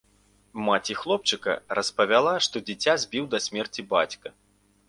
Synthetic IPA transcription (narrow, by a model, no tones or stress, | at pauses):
mat͡sʲixlˠɔp̚t͡ʂɨkɐ̰rɐspɐvʲalˠaʂt̪ɔd͡zʲit͡sʲazʲbʲiwd̪ɐsʲmʲɛrt͡sʲibat͡sʲkɐ